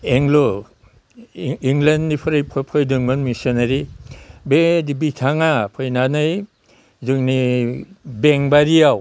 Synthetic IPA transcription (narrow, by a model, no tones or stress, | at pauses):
eŋlo | iŋlenːipʰɔɾɯjpʰɔpʰɔjdɯŋmɯnmisɔnaɾibedibitʰaŋapʰɔjnanɯj | zɯŋni | beŋbaɾiaw